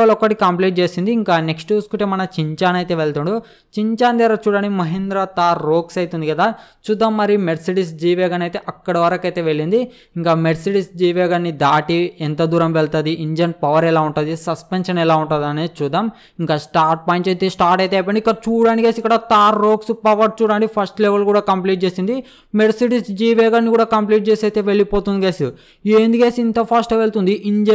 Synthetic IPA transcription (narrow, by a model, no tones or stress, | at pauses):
ɐlɔkːɐʈikɐmpliːʈ̚t͡ʃe̞ːsind̪iːŋkaːneksʈjuskuʈemɐnɐt͡ʃiɲt͡ʃaːnɐjt̪e̞ːʋeɭt̪uːɳɖu | t͡ʃiɲt͡ʃaːnt̪ɛːɾat͡ʃuːɽaːnikimɐɦind̪ɾɐt̪aːɾːoːksɐjt̪und̪ikɐd̪aːt͡ʃuːd̪aːmːɐɾimeɖsiʈisd͡ʒiːʋeːɡɐnɐjt̪e̞ːʔɐkːɐɽɐʋɐɾɐkɐjt̪e̞ːʋeɭːind̪i | iŋkaːmeɖsiʈisd͡ʒiːʋeːɡɐnːid̪aːʈiɛnt̪ɐd̪uːɾɐmʋɛɭt̪aːd̪iʔiɲd͡ʒɐnpɐʋɐɾɛlaːuɳʈaːd̪isɐspenʃɐnɛlaːuɳʈaːd̪ɐnet͡ʃuːd̪aːm | iŋkaːsʈaːɾʈ̚paːjɳʈejt̪eːsʈaːɾʈɐjt̪eɐp̬ɐːɳɖikːɐɽɐt͡ʃuːɽaːnikeːsikːɐɽɐt̪aːɾːoːksupɐʋɐɾt͡ʃuːɽaːnikipʰɐsʈleʋɐlkuːɽaːkɐmpliːʈ̚t͡ʃeːsind̪i | meɖsiʈisd͡ʒiːʋeːɡɐnːikuːɽaːkɐmpliːʈ̚t͡ʃe̞ːsɐjt̪e̞ːʋeɭipoːt̪und̪ikeːsi | eːnd̪ikeːsint̪ɐpʰɐsʈeʋeɭt̪und̪iʔiɲd͡ʒɐ